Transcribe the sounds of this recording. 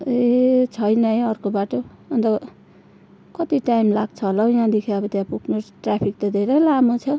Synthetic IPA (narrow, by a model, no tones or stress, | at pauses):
et͡sʰʌjnʌj̃ʌrkobaʈoʌnt̪ʌ | kʌt̪iʈajmlaɡ̚t͡sʰʌɦlʌjãd̪ikʰiaʌbʌt̪jãpuɡnoʈrapʰik̚t̪ʌd̪ʱeɾʌjlamot͡sʰʌ